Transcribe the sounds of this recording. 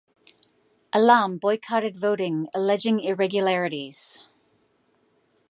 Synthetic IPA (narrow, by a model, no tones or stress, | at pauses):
ʔəlɑːmbɔɪkʰɑːˑɾɪdvoʊɾɪ̃ŋəlɛd͡ʒɪ̃ŋɪɹɛɡjəlaɹɪɾiz̥